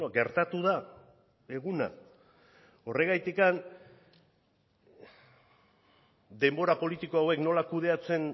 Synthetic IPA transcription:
oɡe̞ɾt̪at̪uða | e̞ɣuna̰ | o̞re̞ɣ̞ajt̪ikan | d̪e̞mbo̞ɾapo̞lit̪ikoawe̞kno̞lakuðe̞at͡se̞n

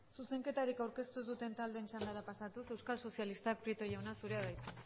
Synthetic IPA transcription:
suse̞ŋke̞t̪aɾikawɾke̞st̪uðut̪e̞nt̪ald̪ent͡ʃand̪aɾapasat̪use̞wskalso̞sjalist̪ak̚pɾit̪o̞jawnasuɾe̞aðajt̪u

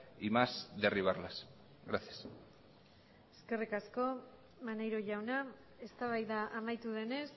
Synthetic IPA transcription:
imasðeriβ̞aɾlas | ɣɾaθias | eske̞rikasko̞ | manejɾo̞ʝawna | e̞st̪aβ̞ajðaʔamajt̪uðe̞ne̞s

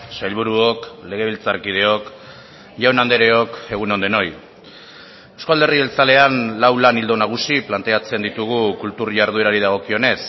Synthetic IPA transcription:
sajlβuɾuo̞kle̞ɣe̞β̞ilt͡sarkið̞e̞o̞k | ʝawnand̪e̞ɾe̞o̞ke̞ɣ̞uneo̞nd̪e̞no̞j | ewskald̪e̞rielt͡sale̞anlawlanild̪o̞naɣ̞usiplant̪e̞at͡se̞nd̪it̪uɣ̞ukult̪urʝaɾð̞ue̞ɾaɾiðaɣ̞o̞kio̞ne̞s

